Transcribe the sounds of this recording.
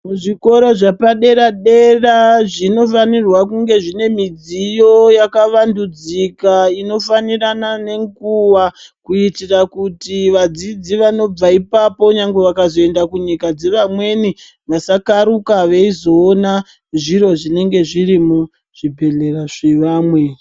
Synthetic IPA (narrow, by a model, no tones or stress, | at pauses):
muʐiko̞ɾo̞ʐapaɗe̞ɾaɗe̞raʐino̞fanirwakuŋɡe̞ʐine̞mid͡zijo̞jakaʋandud͡zikaino̞faniranane̞ŋɡuʋakuitirakutiʋad͡zid͡ziʋano̞b͡vaipapo̞ɲaŋɡeʋakazo̞e̞ndakuɲikad͡ze̞ʋamwe̞ni | ʋasakaɾukaʋeizo̞ːna | ʐiɾo̞ʐine̞ŋɡe̞ʐiɾimu | ʐ̥ibʱe̞le̞raʐeʋaːmwe